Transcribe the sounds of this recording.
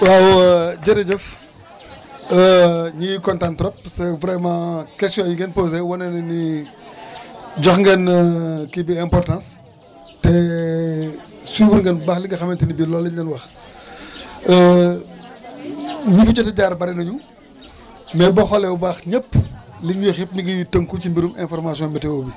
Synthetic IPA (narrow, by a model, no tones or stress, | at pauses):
waːwɟɐɾɐɟɐf | əɲijkɔntãntɾɔp̚sɛvɾɛmãkɛstjɔ̃ːɲiŋɡɛnpoːzewɐnɛnɛni | d͡ʒɔxŋɡɛnkibiɛmpɔrtãːns | tɛ | subuɾŋɡɛnbaxliŋɡɐxɐmɛntɛnibilɔlːɛɡɐnwɐx | ə | ɲufit͡ʃɔtɐɟaːɾbɐɾɛnɐɲu | mɛbɐxɔlɛwbaxɲəpːliŋɲɔxip̚ɲiɡijitəmkucimbiɾumɛnfɔrmasiɔ̃mɛtɛwobi